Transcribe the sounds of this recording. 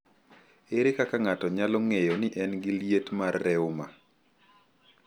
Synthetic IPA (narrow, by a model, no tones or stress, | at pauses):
eɾekakaŋatɔɲalɔŋejonɪʔɛnɡɪljetmarːɛʊma